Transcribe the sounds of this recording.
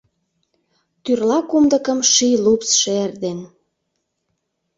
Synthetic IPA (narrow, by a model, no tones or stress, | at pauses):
t̪yrlɑkumd̪ə̆kə̆mʃilupsʃeerd̪en